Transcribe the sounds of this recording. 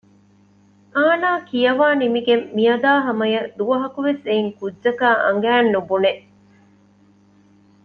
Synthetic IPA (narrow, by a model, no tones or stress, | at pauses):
aːnaːkijɐʋaːnimiɡemːijɐd̪aːɦɐmɐjɐd̪uʋɐɦɐkuʋeseiŋkudʒɐkaːʔɐ̰ŋ̆ɡæːnːubuneʔ